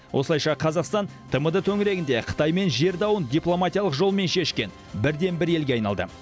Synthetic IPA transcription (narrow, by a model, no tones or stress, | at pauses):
wʔo̞̰səlˠɑjʃɑqʰɑzɑqst̪ɑnt̪ʰəməd̪ət̪ʰɵŋɪɾe̞ɡʲɪnd̪e̞qʰə̥t̪ɑjme̞nʒe̞ɾd̪ɑwənd̪ijplˠo̞mat̪ijɑlˠəqʒo̞lˠme̞nʃe̞ʃkʲe̞n | bɪɾd̪e̞nbɪɾe̞lɡʲe̞ɑjnɑlˠd̪ə̰